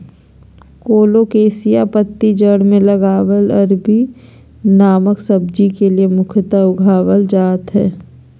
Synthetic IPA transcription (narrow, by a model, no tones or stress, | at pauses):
koːlokeːsijapət̪ːid͡ʒəɽmẽlɐɡaːwəlɐɾbʱi | naːməksɐb̚d͡ʒikeliemʊkʰət̪aʊɡʱaːwəld͡ʒaːt̪ɦɛː